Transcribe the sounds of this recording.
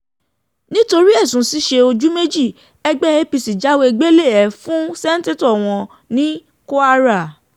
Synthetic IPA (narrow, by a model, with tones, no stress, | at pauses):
nĩ˦to˧ɾi˦ɛ˦˨sũ˨si˧˦ʃe˧o˧d͡ʒu˦me˦d͡ʒi˦˨ | ɛ˧ɡ͡bɛ˦e˦pi˧si˨d͡ʒa˦we˧e˧ɡ͡be˦le˦˨ɛ˨fũ˦sɛ˦n̩˦te˦tɔ˦˨w̃ɔ̃˧ | nĩ˦ | ko˦a˦ɾa˦˨